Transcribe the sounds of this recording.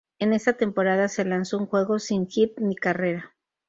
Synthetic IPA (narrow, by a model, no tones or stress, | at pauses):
e̞ne̞st̪at̪e̞mpo̞ɾaðase̞lanso̞uŋxwe̞ɣo̞siŋxit̪̚nikare̞ɾa